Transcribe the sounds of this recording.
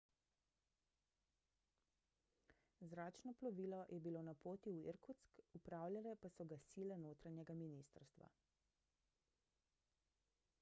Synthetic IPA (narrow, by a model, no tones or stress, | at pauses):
zɾaːt͡ʃnɔplɔʋiːlɔjʔɛbilonapoːt̪iuḭɾkut̪skupɾaːwlʲjalɛpasɔɡasilɛnoːt̪ɾanɛɡaminist̪əɾst̪ʋa̰